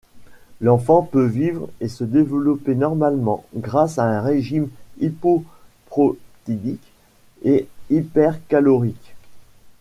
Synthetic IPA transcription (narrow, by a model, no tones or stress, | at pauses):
lɑ̃fɑ̃pøvivʁesəd̪evlɔpenɔʁmalmɑ̰̃ɡʁasaɛ̃ʁeʒimipɔpχɔt̪id̪ik | eipɛʁkalɔʁik